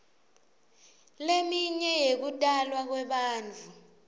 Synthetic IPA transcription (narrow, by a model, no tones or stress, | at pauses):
lemiɲɛjek̬utʼalwak̬wɛɓaːnd͡ɮʱu